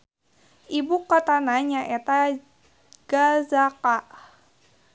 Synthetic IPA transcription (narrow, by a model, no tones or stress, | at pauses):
ʔibukɔt̪anaɲaʔɛt̪a | ɡ̥azaka